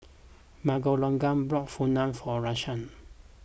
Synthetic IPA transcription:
maɡolɔ̃ŋɡãmbɹɔkfunãmfɔɹaʃãn

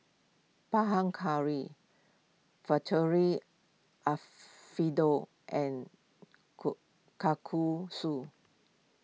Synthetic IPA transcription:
paɦãŋkʰaɹi | fatʰəɹi | ʔa | fido | ʔɛ̃n | kakʰusu

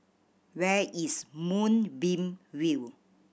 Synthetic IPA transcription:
wɛismũnbĩmwil

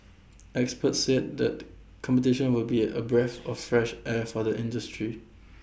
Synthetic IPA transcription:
ɛkspətsɛd̚dɛ̰t̚ | kʰɔ̃mpətɪʃə̃nwɪlbiə̰bɹɛθɔffɹɛʃʔɛfɔðəʔɪ̃ndəstɹi

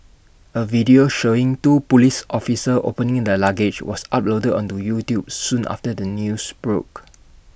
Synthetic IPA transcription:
əvidioʃoɪ̃ŋtupulisʔɔfisəʔo̰pə̃nɪ̃ŋdəlaɡed͡ʒwɔ̰sa̰p̚lodədɔ̰̃ntujutjub̚sũnʔa̰ftədənjusb̥ɹok

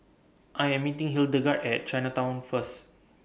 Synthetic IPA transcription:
ʔajɛ̃mitĩŋɦildəɡatɛt̚t͡ʃajnatãw̃nfəs

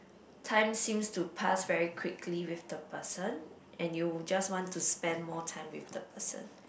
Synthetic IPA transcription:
tʰãɪ̃msĩmstupʰasvɛɹikʰw̥ɪkʰliwifd̪əpʰəsə̃n | ʔɛ̃njud͡ʒaswɔ̃ntʰuspɛ̃ndmɔtʰãɪ̃mwifd̪əpʰəsə̰̃n

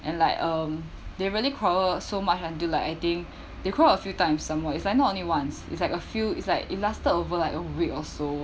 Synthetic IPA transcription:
ʔɛ̃nlaɪkʌ̃m | deɹiəlikʰɹɔəsomat͡ʃãndilaɪkaɪt̪ĩŋk | dekʰɹɔəəfjutãɪ̃msːãmwɛitslaɪk̚nɔtõnliwãnsḭtslaɪkəfjuḭtslaɪkḭt̚lastədovəlaɪkəwikɔso

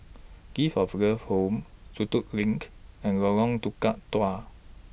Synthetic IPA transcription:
ɡ̥ifɔfɡəfhomsut̪uʔlĩŋkɛ̃nɡɔlɔ̃ŋt̪ukaʔt̪wa

